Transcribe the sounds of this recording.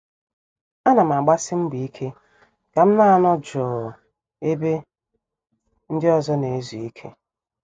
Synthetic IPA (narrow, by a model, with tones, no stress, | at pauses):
a˦na˨m̩˨a˨ɡ͡ba˦sɪ˦m̩˦ɡ͡bi˨i˦kʰe˦ | ɡ̥a˨m̩˦na˦a˦nɔ˦d͡ʒɔː˨ | e˦be˦ | n̩˦dɪ˦ɔ˨zɔ˦ne˨e˦zu˨i˦kʰḛ˦